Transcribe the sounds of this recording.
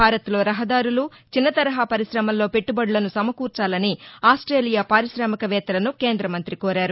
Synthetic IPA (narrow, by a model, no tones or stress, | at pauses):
aːɾɐt̪lo̞ːɾɐɦɐd̪aːɾulu | t͡ʃinːɐt̪ɐɾɐɦaːpɐɾiʃɾɐmɐlːo̞ːpe̞ʈːubɐɽlɐnusɐmɐkuːɾt͡ʃaːlɐniaːsʈɾe̞ːlijaːpaːɾiʃɾaːmɐkɐʋɛːt̪ɐlɐnuke̞ːnd̪ɾɐmɐnt̪ɾikoːɾaːɾu